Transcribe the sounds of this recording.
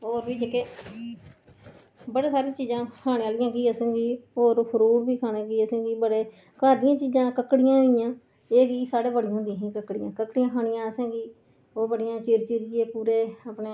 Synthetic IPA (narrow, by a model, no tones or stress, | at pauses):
oːɾbiːd͡ʒəkeː | bəɽeːsaːɾiãːt͡ʃiːzãːkʰaːɽ̃ẽːaːlɪjãːkiːəsẽːɡiːoːɾpʰəɾuːɾbiːkʰaːɽẽːkiːəsẽːɡiːbəɽeː | kaːɾd̪ɪjãːt͡ʃiːzãːkəkːɽɪjãːijãː | eːɡiːsaːɽeːbəɽɪjãːʊnd̪ĩːɦĩːkəkːɽɪjã̰ːkəkːɽijãːkʰaːɽɪjãːəsẽːɡiː | oːbəɽɪjãːt͡ʃɪːɾt͡ʃɪːɾɪeːpuːɾeːapɳeː